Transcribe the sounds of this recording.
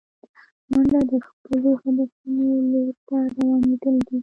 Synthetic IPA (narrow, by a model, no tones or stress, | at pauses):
waɳɖad̪əxpəloxad̪afunoloɾt̪ad̪awɑned̪əld̪i